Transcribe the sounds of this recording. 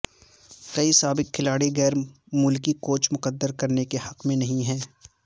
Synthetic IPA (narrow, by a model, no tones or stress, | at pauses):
kɐisaːbɪk̚kʰːɪlaːɽiɣɛːɾ | mʊlkikoːt͡ʃʰmʊqəd̪ːəɾkɐɾnekehɐqmẽnɐɦĩɦɛː